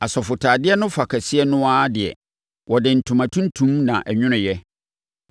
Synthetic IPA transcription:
a˨sɔ˨fʊ˨tʰaː˨dɪ˦ɛ˦nʊ̃˦fa˨kʰa˨sɪ˦ɛ˦nʊ̃˦a˦dɪ˨ɛ̰˨ | wɔ˨dɪ̃˨n̩˨tʰũ˨mã˨tʰũ˦n˦tʰũ˦mnã̰˨ʔɛ˨ɲᶣʊ̃˦nʊ̃˨jɛ˦

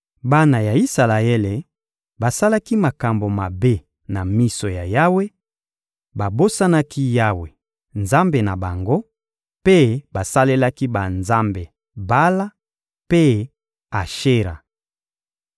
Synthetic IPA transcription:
ba˦na˨ja˨i˦sa˨la˨e˦le˨ | ba˨sa˦la˦ki˦ma˨ka˨mbo˨ma˨be˦ | na˨mi˦so˨ja˨ja˦we˦ | ba˨bo˦sa˦na˦ki˦ja˦we˨ | nza˦mbe˨na˨ba˨ŋɡo˦ | pe˦ba˨sa˦le˦la˦ki˦ba˨nza˦mbe˨ | ba˦la˦ | pe˦ | a˨ʃe˦ʁa̰˨

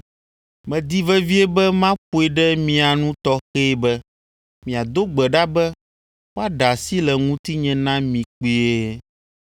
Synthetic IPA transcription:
mɛ̃˨d̪i˦vɛ˦vi˦ɛ˦bɛ˦mã˦ɸo˦e˨ɖɛ˦mĩ˨a˨nũ˦t̪ɔ˦xe˦bɛ˦ | mĩ˨a˨d̪o˦ɡ͡bɛ˨ɖa˦bɛ˦ | wo˦a˦ɖa˨si˦lɛ˨ŋũ˦t̪i˦ɲɛ̃˦nã˦mĩ˨k͡pi˦e˦

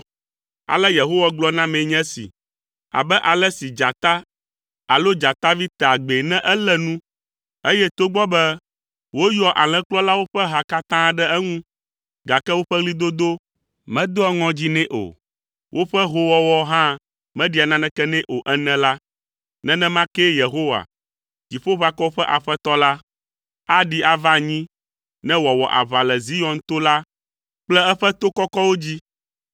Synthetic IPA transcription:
a̰˨lɛ˦je˨ɦo˦wa˦ɡ͡blɔ˦nã˦mɛ̃˨˦ɲɛ̃˦sḭ˨ | a̰˨bɛ˦ʔa˨lɛ˦si˨d͡ʒa˨t̪a˦ | a˨lo˦d͡ʒa˨t̪a˦vi˦t̪a˨ɡ͡be˨nɛ̃˦ʔɛ˦lɛ˦nũ˦ | e˦jɛ˦t̪o˦ɡ͡bɔ˦bɛ˦ | wo˦jɔ˦ʔa˨l̃ɛ̃˦k͡plɔ˦la˦wo˦ɸɛ˦ɦa˨ka˦t̪ã˦ɖɛ˦ɛ˦ŋũ˦ | ɡa˨kɛ˦wo˦ɸɛ˦ɣli˦d̪o˦d̪o˦ | mɛ̃˦d̪o˦ɔ˦ŋɔ̃˦d͡ʑi˦nɛ̃˦ʔo̰˨ | wʔo˦ɸɛ˦ɦo˦wɔ˦wɔ˦ɦã˦ | mɛ̃˦ɖi˨˦a˨nã˦nɛ̃˦kɛ˦nɛ̃˦ʔo˨ʔɛ˦nɛ̃˦la˦ | nɛ̃˦nɛ̃˦mã˦kɛ˦je˨ɦo˦wa̰˨ | d͡ʑi˨ɸo˦βa˦kɔ˦wo˦ɸɛ˦ʔa˨ɸɛ˦t̪ɔ˦la˦ | a˦ɖi˦a˨va˦ɲĩ˦ | nɛ̃˦wɔ˨wɔ˨ʔa̰˨βa˨lɛ˨zi˦jɔ̃˨nt̪o˦la˦ | k͡plɛ˦ɛ˦ɸɛ˦t̪o˦kɔ˦kɔ˦wo˦d͡ʑi˦

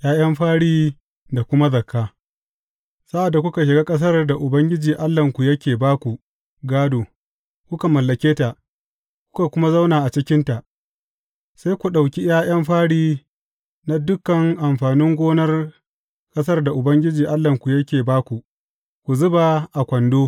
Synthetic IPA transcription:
jaː˦j̰ɐ˦mɸaː˦ɽiː˦ | da˨kʷʊ˦ma˦zɐ˨kʰːaː˦ | sa˦ʔa˨dːa˨kʷʊ˦ka˨ʃ̬ɪ˨ɡaː˦kʼɐ˦s̬ɐ˦rda˨ʔʊ˨bɐ˦ŋɡʲɪ˦d͡ʒiː˨ʔa˦lːɐ˨ŋkʷu˨jɐ˦kʲeː˨baː˦kʷu˨ | ɡaː˦doː˨ | kʷʊ˦ka˨mɐ˨lːɐ˨kʲeː˦ta˨ʔ | kʷʊ̥˦ka˨kʷʊ˦ma˦za˦wnaː˨ʔa˨t͡ʃɪ˦kʲɪ˦nta˨ʔ | sa˦jkʷu˨ɗa˨wkʲi˦j̰aː˦j̰ɐ˦mɸaː˦ɽiː˦ | na˦dʊ˦kːɐ˨ŋʔa˨mɸaː˨nɪ˦ŋɡʷoː˦nɐ˦r | kʼɐ˦s̬ɐ˦rda˨ʔʊ˨bɐ˦ŋɡʲɪ˦d͡ʒiː˨ʔa˦lːɐ˨ŋkʷu˨jɐ˦kʲeː˨baː˦kʷu˨ | kʷu˨zʊ˦ba˨ʔa˨kʷɐ˨ndoː˦

